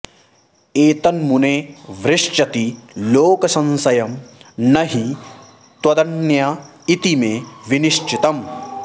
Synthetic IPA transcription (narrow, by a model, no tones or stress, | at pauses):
eːt̪ɐnmuneʋɾɪʂt͡ʃɐt̪iloːkɐsɐ̃nsɐjɐmnɐɦi | t̪wɐd̪ɐnja | it̪imeʋiniʃt͡ʃɪt̪ɐm